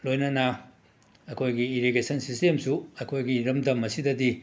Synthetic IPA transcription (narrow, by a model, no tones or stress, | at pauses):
lojnɐnɐ | ɐkʰojɡiːɾiɡesɐnsistemsuɐkʰojɡiɾɐmdɐmɐsidɐdi